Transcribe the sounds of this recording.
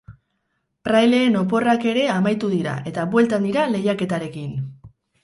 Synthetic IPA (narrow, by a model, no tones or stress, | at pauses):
pɾajle̞ːno̞p̬o̞rake̞ɾe̞amajt̪uðiɾa̰ʔe̞t̪aβwe̞lt̪and̪iɾale̞jake̞t̪aɾe̞kin